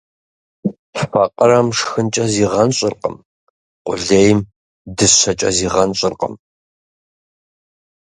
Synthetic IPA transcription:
ffɐqʼəɾɐmʂxɨnt͡ʃʼɐziːʁɐnɕʼɪrqə̰m | qʷʼʊ̰ɮeːjm | dɨɕɐt͡ʃʼɐ̰ziːʁɐnɕʼɪrqʼə̰m

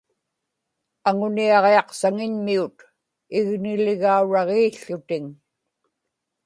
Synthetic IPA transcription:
aŋʊniɑʁeɑqsaŋɪɲmiut̪ | ɪɣnɪlɪɣauɻɑʁeːɬːʊt̪ɪŋ

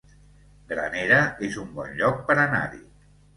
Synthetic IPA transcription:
ɡɾə̰neɾəezumbɔ̰nʎɔk̚pəɾəna̰ɾḭ

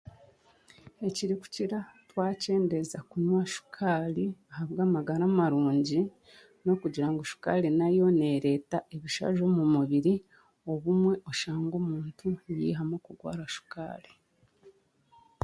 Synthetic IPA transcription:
e̞ciɾiku̥ciɾatwaːce̞ːndezakuɲwaʃu̥kʰaːliahaβɡaːmaɡaɾamaɾuːɲɟi | no̞kuɟiɾaŋɡoʃu̥ka̰lenajo̞ne̞ɾe̞taʔe̞βiʃa̰ʒo̞ːmumuβiɾi | o̞βumwe̞ʔo̞ʃaːŋɡo̞ːmuːntʰujḭːɦamokuɡwa̰ːɾaʃu̥ka̰ːli

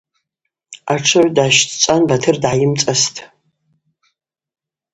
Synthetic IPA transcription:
aʈ͡ʂʰɨʕʷdaʃtʰt͡sʼanbatʰɨrdʕajɪmt͡sʼastʰʼ

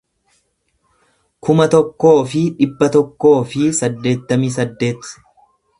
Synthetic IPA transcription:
kʊmɐt̪ɔkːo̞ːfɪᶑɪbːɐt̪ɔkːo̞ːfɪsɐd̪ːe̞ːt̪ːɐmiːs̬ɐd̪ːe̞ːt̪

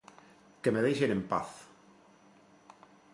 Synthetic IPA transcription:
kemeðejʃenempa̰θ

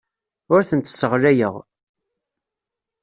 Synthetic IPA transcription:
ʊɾθənt̪sːəʁlæjəʁ

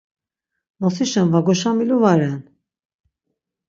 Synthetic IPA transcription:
mɔsiʃanvaɡɔʃamiluvaɾɛn

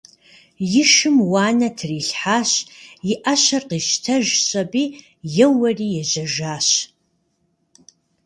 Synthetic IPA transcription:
jɪʃɨmwaːnɐtʰriːɬħaːɕjɪʔɐɕɐrqiːʃtʰɐʒɕʼɐbiː | jɛwɐriːjɛʑɐʒaːɕ

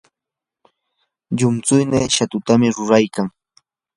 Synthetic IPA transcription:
ʎʊmt͡sʊjneːʃat̪ʊt̪amɪɾʊɾajkaŋ

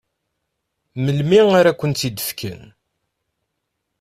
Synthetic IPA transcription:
məlmiŋaɾakʷːənt̪id̪əfkə̰n

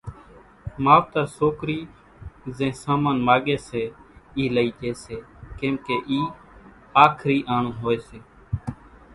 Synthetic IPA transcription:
maːʋt̪aːsoːkɾiː | zẽːsãːmãːnmaːɠeːseːiːləiːd͡ʒeːseː | kẽːmkeːʔiː | aːkʰɾiːʔaːɳũːɦoːeːseː

